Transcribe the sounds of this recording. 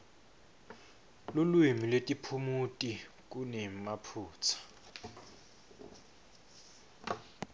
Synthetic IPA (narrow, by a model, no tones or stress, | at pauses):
lulwimilwetʼipʰumutʼi | k̬unɛmapʰuːt͡sʰḁ